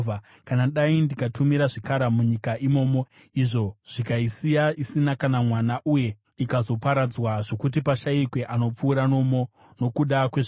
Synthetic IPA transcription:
va | kanaɗaindikatʰumiɾaʐikaɾamuɲikaʔimo̞ːmo̞ | iʐo̞ʐ̥ikaisijaisinakanamwanaʔuje̞ | ikazo̞paɾad͡zwaʐo̞kut̬ipaʃaikwe̞ʔano̞p͡fuːɾano̞mo | no̞kuɗakwe̞ʐ

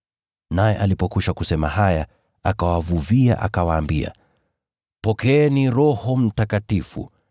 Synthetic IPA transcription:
najɛʔalipɔkuʃakusɛmaɦaja | akawavuvia̰ʔakawaːmbia̰ | pɔkɛɛniɾɔhɔm̩takatifṵ

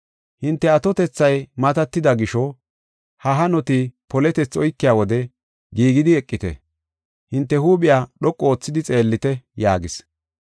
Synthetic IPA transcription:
hɪnt̪ːɛɐt̪ɔt̪ɛt͡sːɐjmɐt̪ɐt̪ːɪd̪ɐɡɪʃɔ | hɐɦɐnɔt̪ɪpɔlɛt̪ɛt͡sːɔjkːɪjaːwɔd̪ɛ | ɡiːɡɪd̪ɪɛkʼːɪt̪ɛ̰ | hɪnt̪ːɛhuːɓɪjaːɗɔkʼːo̞ːt͡sːɪd̪ɪt͡sʼe̞ːlːɪt̪ɛjaːɡɪs

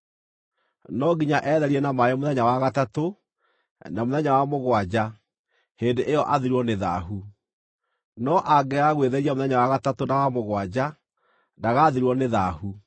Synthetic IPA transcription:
nɔɡiɲaʔɛðɛɾiɛnamajɔmoðɛɲawaɣatato | namoðɛɲawamoɣwad͡ʑa | heːndeʔejɔʔaðiɾwɔneða̰ɦu | nɔʔaɡɛaɣweðɛɾiamoðɛɲawaɣatatonawamoɣwad͡ʑa | daɣaðiɾwɔneðahu

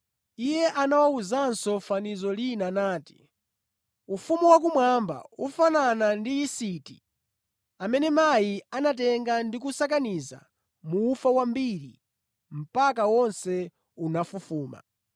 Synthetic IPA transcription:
ijɛʔanawauzansɔfanizɔlinanaːti̥ | ufumuwak̬umwamba̰ufananandiisiti̥ | amɛnɛmajianat̬ɛŋɡandik̬usak̬aniza̰ | muːfawambiɾi | m̩pak̬awɔnsɛ | unafufuːma̰

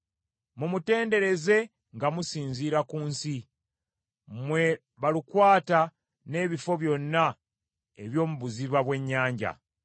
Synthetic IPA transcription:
mumute̞ːnde̞ɾe̞ze̞ | ŋɡamusiːnziːɾakuːnsi | mwe̞ | βalikwaːta | ne̞ːβifo̞βjo̞nːa | e̞̰βjo̞ːmuβuziβaβwe̞ɲːaːɲɟa̰

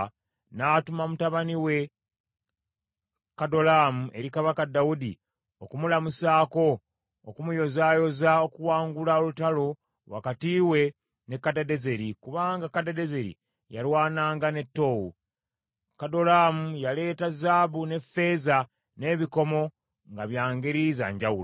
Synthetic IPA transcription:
naːtumamutaβaniwe̞ | kado̞laːmuʔe̞ɾikaβakadːawudḭ | okumulamusaːko̞ː | kumujo̞zaːjo̞zao̞kuwaːŋɡulaolutalo̞ | wa̰katiːwe̞ | nekːadade̞ze̞ɾikuβaːŋɡakːadadeze̞ɾḭ | jalwaːnaːŋɡane̞tːo̞wṵ | kado̞lamujale̞ːtazaːβune̞fe̞za | ne̞ːβiko̞mo̞ | ŋɡaβjaːŋɡeɾiza̰ɲɟawulo

